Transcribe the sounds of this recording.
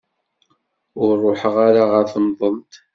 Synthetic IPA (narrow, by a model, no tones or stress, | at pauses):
ʊɾˤːoħəʁaɾaʁəɾθnðˤəmt̪